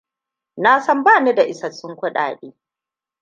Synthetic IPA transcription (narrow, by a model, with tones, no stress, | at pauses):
naː˦sɐ˦mbaː˦˨ne˦da˨ʔɪ˨sɐ˨sʊ˦ŋkʷʊ˦ɗa̰ː˨ɗeː˦